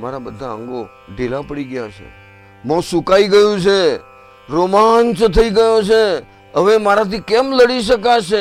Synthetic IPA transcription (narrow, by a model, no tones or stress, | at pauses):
maɾabəd̪ʱaə̰̃ŋɡo | ɖelapəɽiɡəjat͡ʃʰḛ | mə̃sukaiɡəjũt͡ʃʰe | ɾomant͡ʃt̪ʰəiɡəjot͡ʃʰe | əʋemaɾat̪ikemləɽiʃ̬əkat͡ʃʰe